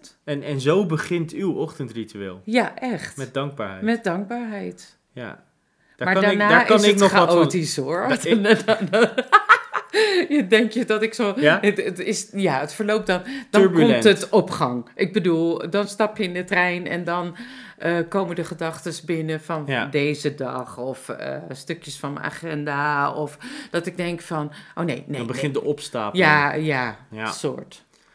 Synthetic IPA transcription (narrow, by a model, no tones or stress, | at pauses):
ɛnɛnzowbəχɪntywɔχtəntrityḛːlˠjaʔɛχtɛdɑŋɡ̚ba̰ɹɛ̰jmɛt̚dɑŋɡ̚baɹɦɛjt | ja̰ | dmaɹdananɪknɔχaoːtisoɹ | ədɛŋkjədɔtɪksoətətɪsjaətfəɹloːp̚dɔnd̥øɹbɔmɛtətɔpχɑŋʔɪɡ̚bədulˠdɔnstɑpjəɪndətrɛjnɛ̰ndɔn | ʔəkowməndəχədɑχtəsbɪnəfɔndejzədɑ̰χɔfə̰støkjəsfɔnmə̰a̰χɛndaɔfd̥ɔtɪɡ̚dɛŋkfɔnʔoːnejnebəχɪndəɔpsta̰pjajaso̰ːɹt